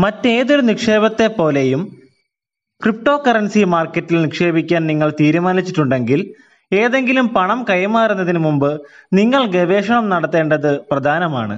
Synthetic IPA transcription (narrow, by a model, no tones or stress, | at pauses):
mɐtːe̞ːðoɾunikʂe̞ːbɐt̪ːe̞pːo̞ːlejum | krip̚ʈo̞ːkɐrɐnsimaːrkːɐtːilnikʂe̞ːbikʲːaːnniŋːɐɭt̪iːɾumaːnit͡ɕːiʈːuɳɖe̞ŋɡil | e̞ːðe̞ŋɡilumpɐɳɐmkɐjɐmaːɾunːɐðinɨmumbɨniŋːɐɭɡeʋe̞ːʂɐɳɐmnɐɽɐt̪ːe̞ːɳɖɐðɨprɐd̪ʱaːnɐma̰ːɳɨ̰